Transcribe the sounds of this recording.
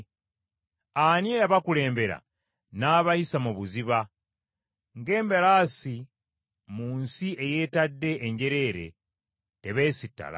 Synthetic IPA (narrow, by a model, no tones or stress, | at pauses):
anjejaβakule̞ːmbe̞ɾa̰ | naːβaisamuβuziβa | ŋɡe̞ːmbelaːsi | muːnsie̞je̞ːtadːe̞ʔːɲɟe̞ɾe̞ːɾe̞̰ | te̞βe̞ːsitːa̰la̰